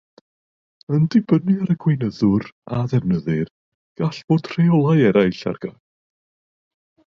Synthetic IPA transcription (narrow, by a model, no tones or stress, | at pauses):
əndɪbənɨaɾəɡwejnəðʊraðɛvnəðɨr | ɡ̥aɬv̥oːd̥ʰr̥ejɔlˠajɛɾajɬa̰rɡ̥a